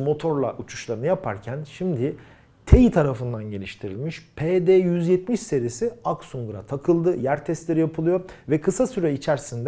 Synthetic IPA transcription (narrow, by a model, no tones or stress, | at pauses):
mo̞t̪ʰo̞ɾlˠa̰ʔut͡ʃʰu̥ʃlˠaɾɯnɯjapʰa̰ɾcʰænʃimd̪ɪ | t̪ʰe̞jit̪ʰaɾafɯnd̪anɟe̞lʲiʃt̪ʰiɾḭlʲmiʃpʰeːd̪eːjyzjɛt̪miʃse̞ɾiesiaksuŋɡɾa̰t̪ʰakʰɯlˠd̪ɯjæɾt̪ʰɛst̪lʲe̞ɾijapʰɯlˠɯjo̞vɛkʰɯsasyɾɛit͡ʃʰæɾsind̪